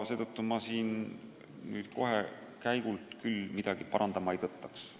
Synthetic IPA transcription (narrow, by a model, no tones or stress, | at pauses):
se̞ːt̪ɤt̪ːumɑsiːn | ny̰ːd̪̥̚ko̞ɦe | kæjɡ̥ult̪kylmid̪̥ɑɡ̥ipɑɾʔɑnd̪ɑmɑejt̪ɤt̪ˑːɑks